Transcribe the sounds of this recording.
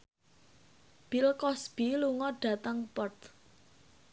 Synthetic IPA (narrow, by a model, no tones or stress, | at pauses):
b̥ilkɔsb̥iluŋɔɖ̥ä̤t̪əŋpɔrt̪